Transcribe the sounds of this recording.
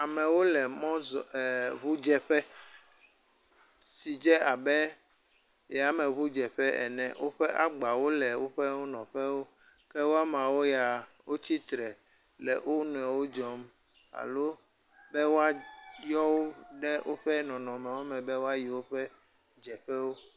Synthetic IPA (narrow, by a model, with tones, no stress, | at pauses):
a˨mɛ̃˨wo˦lɛ˨mɔ̃˦zβu˦d͡ʒɛ˨ɸɛ˦ | si˨d͡ʒɛ˦a˨bɛ˦ | ja˨˦mɛ̃˨βu˦d͡ʒɛ˨ɸɛ˦ʔɛ̰˨nɛ̰̃˦˨wʔo˦ɸɛ˦ʔa˦ɡ͡ba˨wo˦lɛ˨wo˦ɸɛ˦wo˦nɔ̃˨ɸɛ˦wo˦ | kɛ˦wo˦a˦mã˨wo˦ja˨ | wo˦t͡ɕi˦t̪ɾɛ˨ | lɛ˨wʔo˦nũ˨ɛ˨wo˦d͡ʒɔ˨˦m | a̰˨lo˦ | bɛ˦wo˦a˦jɔ˦wo˦ɖɛ˦wʔo˦ɸɛ˦nɔ̃˨nɔ̃˨mɛ̃˨wo˦mɛ̃˨bɛ˦wo˦a˦ji˨wo˦ɸɛ˦ | d͡ʒɛ˨ɸɛ˦wo˦